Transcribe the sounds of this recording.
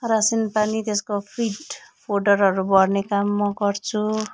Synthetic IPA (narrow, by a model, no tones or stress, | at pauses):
rasinpanit̪eskopʰiʈpʰoɖʌrɦʌɾubʌrnekamːʌɡʌrt͡sʰu